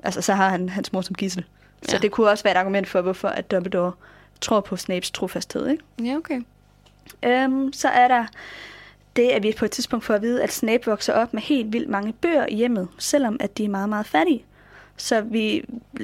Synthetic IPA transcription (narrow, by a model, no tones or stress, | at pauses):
ʔælsəsɒ̽ɦɑ̈hænɦænsmoɐsɒ̽mɡ̥isl̩ | sɒ̽d̥e̝kʰuɒ̽səʋæːɐeɾ̥ɑ̈ɡumen̰d̥fɒ̽ʋɔfɒ̽ʔæd̥ɒ̽b̥l̩d̥ɒʊ | t͡sʰʁo̝ɐpʰɒ̽snɛɪb̥st͡sʰʁo̝fæsd̥he̝ð̞̰ˠeɡ̥okʰe | ʔøsɒ̽ʔæɐɾɑ̈ | d̥e̝æɐʋipʰɒ̽ed̥t͡siðˠsb̥ɔ̽ŋ̰d̥fɒ̽æʋiːð̞̩ˠæd̥snɛɪb̥ʋɒ̽ɡ̥sɐʔɒ̽b̥mehe̝̰ːld̥ʋil̰d̥mɑ̈ŋəb̥ø̰ːɐʔijem̰ð̩ˠsel̰ɒ̽mʔæd̥iæɐmɑ̈ːð̩ˠmɑ̈ːð̞̩ˠfæɐɾi | sɒ̽ʋi